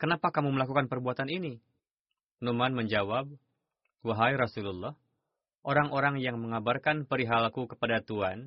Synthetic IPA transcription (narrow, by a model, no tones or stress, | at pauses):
kənapakamuməlakukanpərbuat̪anini | numanməɲd͡ʒawab̚ | waɦajɾasululːɔh | ʔoɾaŋoɾaŋjaŋməŋabarkanpəɾiɦalkukə̥padat̪uan